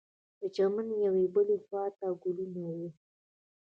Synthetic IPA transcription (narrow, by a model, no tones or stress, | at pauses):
d̪̥ət͡ʃamanjawebəlexwɑt̪aɡulunawi